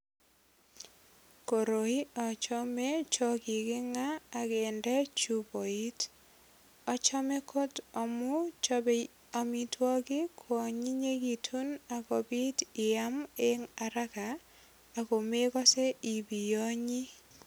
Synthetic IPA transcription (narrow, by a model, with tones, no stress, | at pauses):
ko˨ɾo˨i˦ɔ˨t͡ʃɔ˦me˦t͡ʃɔ˦kɪ˨kɪ˦ŋaː˦˨ke˨ndɛ˦t͡ʃubo˨i˦t | ɔ˦t͡ʃɔ˦me˦kʰo˦tɔ˨mʊ˦b | a˨mi˨twɔ˦kɪ˦kʰwɔ˨ɲi˦ɲe˦ɡi˨tʰu˦na˨ko˨bi˦tɪ˨a˦me˦ŋa˨ɾa˦kaː˨ | ko˨me˦kɔ˦se˦i˨bi˨jo˦ɲi˦